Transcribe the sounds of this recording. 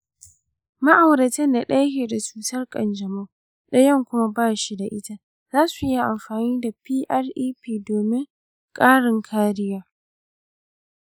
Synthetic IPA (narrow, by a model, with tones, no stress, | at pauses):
ma˦ʔa˨wɾɐ˨tɛ˦nda˨ɗɐ˦hʲeː˨da˨t͡ʃuː˨tɐ˦rkʼɐ̰˨nd͡ʒɐ˨ma˦ | ɗɐ˦jɐ˦˨ŋkʷʊ˦ma˦baː˦˨ʃi˦da˨ʔɪ˦ta˦ | zaː˦su˨ʔɪ˦ja˨ʔa˨mɸaː˨niː˦da˨piː˦ʔɐ˦rʔiː˦piː˨doː˨mɪ˦ŋ | kʼaː˦ɽɪ˨ŋkʰaː˦ɾɪ˦jaː˦